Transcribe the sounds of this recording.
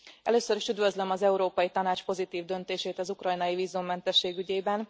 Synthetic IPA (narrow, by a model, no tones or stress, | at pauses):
ɛ̰løːsøɾiʃyd̪vøzlømɒzɛuɾoːpɒjit̪ɒnaːt͡ʃpo̞zit̪iːvd̪ø̞nt̪eːʃeːt̪ɒzukrɒjnɒjiviːzumːɛnt̪ɛʃːeːɡyɟeːbɛn